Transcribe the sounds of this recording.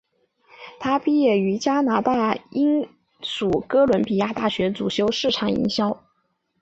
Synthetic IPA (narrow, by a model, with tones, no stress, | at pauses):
t̪ʰa˥pi˥˧jɛ˥˩y˧˥t͡ɕja˥na˧˥t̪a˥˩i˥ŋ | ʂu˨˩kɤ˥lwə˧˥npi˨˩ja˥˧t̪a˥˩ɕɥɛ˧˥t͡su˨˩ɕjo˥ʊʂɻ̩˥˩ʈ͡ʂʰɑ˨˩ŋḭ˧˥ŋɕjɑ˥ʊ